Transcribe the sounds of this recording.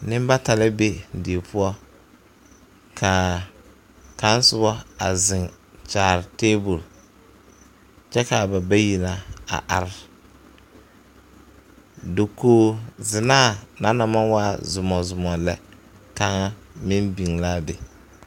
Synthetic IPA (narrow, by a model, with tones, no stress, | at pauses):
nɪ̃˦m˦ba˦ta˨lɪ˦be˦˨de˨pʰʊ˦ɔ˦ | kʰa˨ | ka˦n˦sʊ˦bɔ˦a̰˨zɪ˨ŋ | t͡ʃaː˨ɾɪ˨teː˦bu˨l | t͡ʃɛ˦ka˨ba˨ba˦ji˨la˨a̰˨ʔa̰˨ɾɪ˦ | do˨koː˦˨zɪ˨naː˦˨na˦na˨ma˦nwaː˦zʊ˨mɔ˨zʊ˨mɔ˨lɛ˦ka˦ŋa˦mɪ˦mbi˨ŋla˦bɪ˨